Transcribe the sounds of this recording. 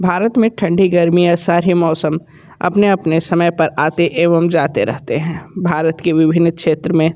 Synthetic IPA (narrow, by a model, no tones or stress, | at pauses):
bʱaːɾət̪mẽʈʰɐ̃ɳɖʱiɡɐɾmijasaːɾimɔːsəm | ɐ̰pneɐpnesɐməjpɐɾaːt̪eʔeːʋəmd͡ʒaːt̪eɾɛ̰ɦt̪eɦɛ̃ːbʱaːɾət̪keʋɪbʱɪnːkʃeːt̪ɾəmẽ